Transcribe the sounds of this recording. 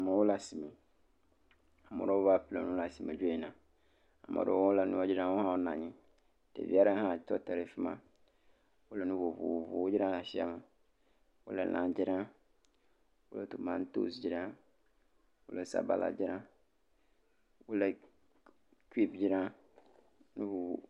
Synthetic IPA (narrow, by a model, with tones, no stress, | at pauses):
a˨mã˨wʊ˦la˨si˨mẽ˨ | a˨mʊ̰̃˨ɾɔ˦ʊ˦ba˦˨plɛ˨nʊ̃˦la˨si˨mẽ˨d͡ʒᶣu˦i˨nã˨ | a˨mʔɔ̰˨ɾɔ̰˦ɔ˦la˨nʊ̃˦ɔ˦d͡ʑɪ˦ɾã˦wo˦hã˦wɔ˦nã˨ɲĩ˦ | tɛ̰˨vi˨˦a˦ɾa˦hã˦˨tɔ˦tɛ˨ɾɛ˨fi˦mã˦ | wʊ˦lɛ˨nʊ̃˦vo˨vʊ̰˨wvʊ̰˨wo˦d͡ʒɾã˦nã˨sɪ˦a̰˦mɛ˨ | wʊ̰˦lɛ̰˦˨lʔã˨d͡ʑɪ˦ɾã˦ | wʊ˦lɛ˦to˨mã˦n˦to̰˦˨sd͡ʑɪ˦ɾã˦ | wʊ˦lɛ˨sa̰˨ba̰˦lʔa̰˨d͡ʑɪ˦ɾã˦ | wo˦lɛ˨ | ki˦pd͡ʑɪ˦ɾã˦ | nʊ̃˦vu˨vu˨